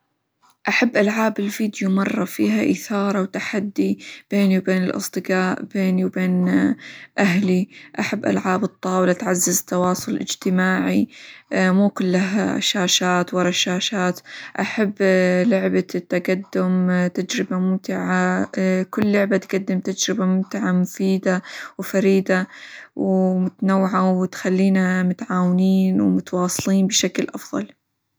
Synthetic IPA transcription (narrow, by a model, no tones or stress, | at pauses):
ʔaħabːʔalʕaːbɪlfiːd̪jumɑrˤːɑfiːɦaʔɪθɑːɾˤɑwt̪aħad̪ːib̥eːniwbeːnɪlʔɑ̰sˤd̪ɨqaːʔbeːniwbeːn | ʔaɦliʔaħabːʔa̰lʕaːbɨt̪ˤːɑːwlat̪ʕazːɪzt̪ɑwɑːsˤʊlʔɪ̰d͡ʒt̪ɪmaːʕi | muːkʊlːaɦa̰ʃaːʃaːt̪wɑɾˤɑʃaːʃaːt̪ʔaħabːlʊʕbat̪ːaɡad̪ːʊmt̪ad͡ʒɾɪbamʊmt̪ɪʕakʊlːʊʕbat̪ɡad̪ːɪmt̪ad͡ʒɾɪbamʊmt̪ɪʕamʊfiːd̪awfaɾiːd̪awmʊt̪anawːɪʕawɪt̪xalːiːnamʊt̪ʕaːwɪniːnwmʊt̪wɑːsˤliːnbɪʃaklʔɑfðˤɑ̰l